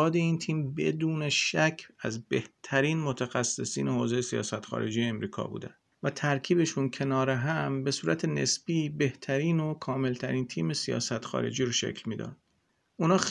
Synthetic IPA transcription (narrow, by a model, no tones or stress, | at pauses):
ɒːd̪eiːnt̪ʰiːmbe̞d̪uːneʃæcʰæzbeht̪ʰæɾiːnmot̪ʰæxæsːe̞siːnehoːzejesijɒ̰ːsæt̪xɒ̰ːɾe̞̰d͡ʒijeːmɾiːkʰɒ̰ːbṵːd̪æ̰n | væt̪ʰæɾcʰiːbe̞ʃuncʰe̞nɒːɾeɦæmbe̞suːɾæt̪ʰe̞nḛsbiːbe̞ht̪ʰæɾiːnokʰɒːme̞lt̪ʰæɾiːnt̪ʰiːme̞sijɒ̰ːsæt̪xɒ̰ːɾe̞̰d͡ʒiːɾoʃḛkʰlmiːd̪ɒ̰ːnd̪̥ | unɒː